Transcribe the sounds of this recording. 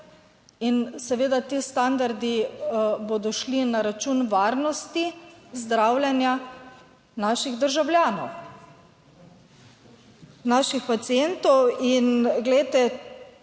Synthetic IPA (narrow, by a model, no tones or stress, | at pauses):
insɛʋeːd̪at̪iːst̪and̪aɾd̪ibod̪ɔʃlinaɾat͡ʃuːnʋaːɾnɔst̪izd̪ɾaːwlʲjɛnja | naːʃiɣd̪əɾʒawljaːnɔw | naʃixpat̪siɛnt̪ɔwinɡlɛjt̪ɛ